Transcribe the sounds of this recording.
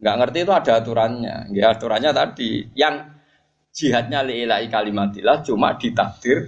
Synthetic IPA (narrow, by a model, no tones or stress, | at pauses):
ŋɡaʔŋərt̪iːt̪uad̥a̤t̪uɾanɲa̰ŋɡejat̪uɾanɲat̪ad̥ijaŋ̥ | d͡ʒ̥i̤ɦat̪̚ɲaleʔelaʔikalimad̪ilaht͡ʃuma̰d̥i̤t̪af̚d̪̥ɪr